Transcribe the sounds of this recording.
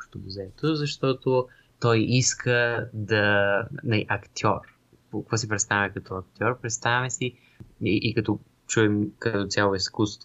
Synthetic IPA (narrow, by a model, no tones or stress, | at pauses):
pʃt̪omuzɛt̪ozɐʃt̪ɔt̪o | t̪ɔjiskʰəd̪ɐnɐiʔɐkt̪ʰʲɔɾ | pokkvɔsipɾɛt̪st̪avʲɛkɐt̪ɔɐkt̪ʲjɔɾpɾɛt̪st̪avʲɛsi | iʔːkɐt̪ɔ | t͡ʃuɛmkɐt̪ot̪sʲalˠoiskust̪vo